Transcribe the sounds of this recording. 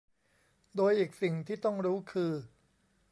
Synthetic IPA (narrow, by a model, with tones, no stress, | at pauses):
d̪oː˧jʔiː˨˩k̚si˨˩ŋt̪ʰiː˥˩t̪ɔ˥˩ŋɾuː˦˥kʰɯː˧